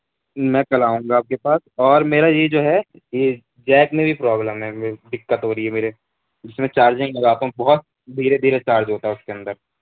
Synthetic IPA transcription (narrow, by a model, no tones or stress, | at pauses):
mɛ̃ːkɐlaːɦũːŋɡaːp̚kepaːsɔːɾmeːɾajed͡ʒoːɦɛ | je | d͡ʒɛːkmẽbʱipɾɔːbləmɦɛd̪ɪkːət̪ɦoːɾɐiɦɛmeːɾe | d͡ʒɪsmẽt͡ʃaːɾd͡ʒɪ̃ŋɡlɐɡaːt̪aɦũbɔɦʊt̪̚ | d̪ʱiːɾed̪ʱiːɾet͡ʃaːɾd͡ʒɦoːt̪aɦɛʊskeɐ̃nd̪əɾ